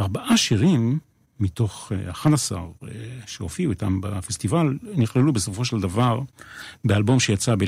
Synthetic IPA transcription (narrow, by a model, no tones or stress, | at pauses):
aʁbaʔaʃiʁimː | it̪o̞χa̰χanasa̰ʁʃeofiuit̪ambafest̪ivalniχlelubeso̞fo̞ʃeld̪avaʁbealbo̞mʃejat͡sabe